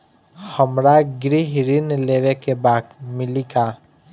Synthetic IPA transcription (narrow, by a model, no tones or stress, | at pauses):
xəmɾaɡɾiɦɾinleːʋekebaːt̪mɪlika